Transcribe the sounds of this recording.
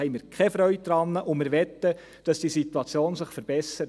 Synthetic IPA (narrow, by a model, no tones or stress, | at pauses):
ɛɪmɪːɾkʰɛfɾœʏt̚d̪ɾɑnːəʔʊmɪːɾʋɛt̪ːə | d̥ɑsd̥iːsit̪uɑt͡sjoːnsɪχfəɾb̥ɛsəɾə